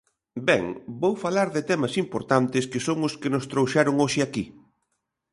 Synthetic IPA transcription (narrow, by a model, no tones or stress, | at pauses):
bɛŋbowfalaɾðɪt̪ɛmɐsimpoɾt̪ant̪ɪskɪsoŋʊskɪnʊst̪ɾowʃaɾʊŋoʃɪaki